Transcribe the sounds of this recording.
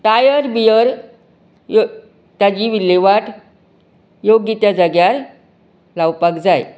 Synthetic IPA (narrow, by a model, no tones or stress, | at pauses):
ʈajəɾbijəɾ | j | t̪jad͡ʑiʋilːeʋaʈʰ | joɡːit̪jad͡zəɡjaɾ | lawpakd͡zaj